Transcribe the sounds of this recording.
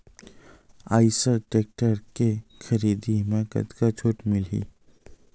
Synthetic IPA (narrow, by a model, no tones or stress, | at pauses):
a̰ːɪsəʈeːk̚ʈəɾkexəɾiːd̪imẽkɐ̰t̪kat͡ʃʰoːʈmɪlɦḭː